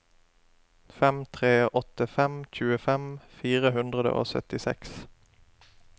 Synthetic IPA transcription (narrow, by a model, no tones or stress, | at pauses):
fɛmt̪ʰʁeːʔɔt̪əfɛmc͡çʉːəfɛmfiːʁəhʉnd̪ʁəd̪ə̰ʔo̰ːsœ̰t̪ɪsɛ̰ks